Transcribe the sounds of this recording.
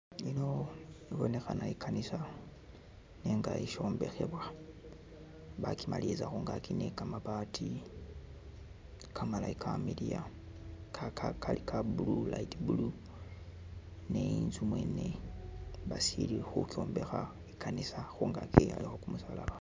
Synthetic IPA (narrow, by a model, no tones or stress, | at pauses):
inoiβo̞ne̞xanaikʰanisa | neŋɡaiʃo̞ːmbe̞xeβwa | βakimalizaxuŋɡakʰinekamaβatʰi | kʰamalaikʰamidija | kʰakʰakalikʰabululaitbulu | neinzumwene | βasilixukio̞ːmbe̞xa | ikʰanisaxuŋɡakia̰lixokumusalaβa